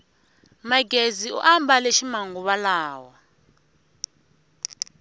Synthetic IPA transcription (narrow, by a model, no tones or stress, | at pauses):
maɡʱeziṵʔambʱaleʃimaŋuɓalaːwa